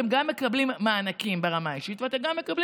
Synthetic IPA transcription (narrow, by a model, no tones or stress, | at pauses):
emɡamːe̞kɐblimːaːnakimbeʁamaiʃit̪veate̞mɡamːekabli